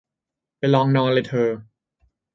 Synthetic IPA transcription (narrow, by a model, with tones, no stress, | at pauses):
pa˧jlɔː˧ŋnɔː˧nle˧jt̪ʰɤː˧